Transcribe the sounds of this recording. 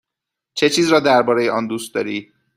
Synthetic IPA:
t͡ʃʰe̞t͡ʃʰiːzɾɒːd̪æɾbɒːɾejeʔɒːnd̪uːst̪̚d̪ɒːɾiː

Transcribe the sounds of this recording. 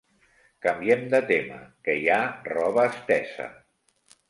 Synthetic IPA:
kəmbiɛmd̪ət̪emə̰kəjarɔβəːst̪ɛsə̰

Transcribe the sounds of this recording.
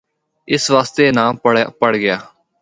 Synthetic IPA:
ɪsʋaːst̪eːnãːəpəɽɡɪjaː

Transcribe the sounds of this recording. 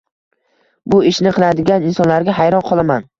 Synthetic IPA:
bʊɪʃnɪqʰɨlˠad̪ɪɡʲanɪnsɒnlaɾɡʲaɦajɾɒnqʰɒlˠaman

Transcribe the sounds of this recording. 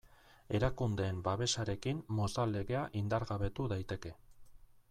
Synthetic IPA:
e̞ɾakund̪e̞ːmbaβe̞saɾe̞kimːost̪ale̞ɣe̞aʔind̪aɾɣaβe̞t̪uðajt̪e̞ke̞

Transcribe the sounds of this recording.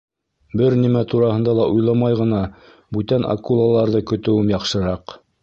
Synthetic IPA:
bɘɾnimæt̪uɾɑhɤ̆nd̪ɑlˠɑʔujlˠɑmɑjʁɤ̆nɑ | bʉt̪ænʔa̰kulˠalˠɑɾðɤkɵ̆t̪ɵ̆wɘmjɑqʃɤ̆ɾɑq

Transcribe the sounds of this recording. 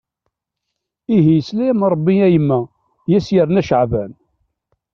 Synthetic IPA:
iɦijəslææmɾˤəbːiæjəmːæ | jæsjəɾnæʃəʕvæn

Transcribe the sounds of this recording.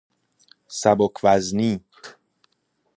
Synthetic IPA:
sæbokʰvæzniː

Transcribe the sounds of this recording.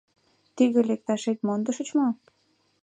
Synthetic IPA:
t̪iɣĕlek̚t̪ɑʃet̪̚mond̪əʃə̆t͡ɕmo

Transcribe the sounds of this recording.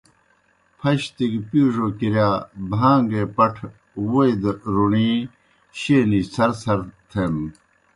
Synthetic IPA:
pʰɐɕt̪iɡpuːʐoːkiɾjaːbʱãːŋɡepɐʈʰ | woid̪ɾuɳĩː | ɕeːnisɐɾsɐɾt̪ʰem

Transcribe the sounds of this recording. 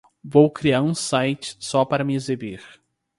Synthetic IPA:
vowkɾiaɾũsajt͡ʃɪ̥sɔpaɾɐmɪezebiɾ

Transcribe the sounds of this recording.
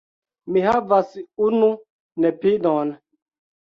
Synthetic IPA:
mihavasunu | nɛpidɔn

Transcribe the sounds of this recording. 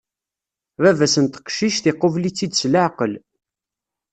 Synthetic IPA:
vævæsənt̪ə̥qʃiʃθɪqːʊvlit͡sːid̪slaʕqəl

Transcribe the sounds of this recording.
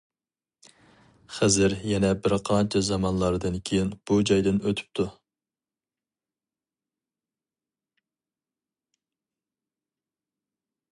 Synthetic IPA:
χæzɪɾjɛnɛbɪɾqʰɑnt͡ʃʰɛzɑmɑnlˠɑɾd̪ɨnkʲʰejinb̥ud͡ʒɑjd̪ɨnøt̪ʰy̥p̚t̪ʰu

